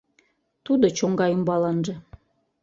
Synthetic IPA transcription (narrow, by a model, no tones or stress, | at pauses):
t̪ud̪ot͡ɕoŋɡɑjumbɑlɑnʒɤ̆